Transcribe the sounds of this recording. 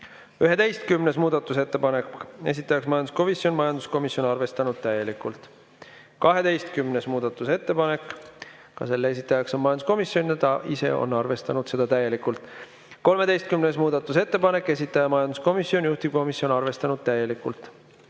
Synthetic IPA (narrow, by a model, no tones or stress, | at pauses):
yɦe̞t̪e̞jst̪kymnesmuːd̪̥ɑt̪ːˑuse̞t̪ːepɑneke̞̰s̬ʲit̪ːˑɑjɑksmɑjɑnd̪u̥sko̞misjo̞nmɑjɑnd̪usko̞misjo̞nɑrve̞st̪ɑnud̪̥̚t̪æje̞likːˑult̪ˑ | kɑɦe̞t̪e̞jst̪kymne̞smuːd̪̥ɑt̪ːˑuse̞t̪ːe̞pɑne̞kːˑ | kːɑ̰se̞lːee̞s̬ʲit̪ːˑɑjɑkso̞nmɑjɑnd̪u̥sko̞misjonʲɑt̪ɑʔise̞̰o̰nɑrve̞st̪ɑnud̪̥se̞d̪ɑt̪æje̞likːˑult̪ˑ | ko̞lmee̞jst̪̚kymnesmuːd̪̥ɑt̪ːˑuse̞t̪ːe̞pɑne̞kːˑe̞s̬ʲit̪ːˑɑjɑmɑjɑnd̪usko̞misːio̞nʲjuht̪ibko̞misio̞nɑrve̞st̪ɑnud̪̥̚t̪æje̞likːˑult̪ˑ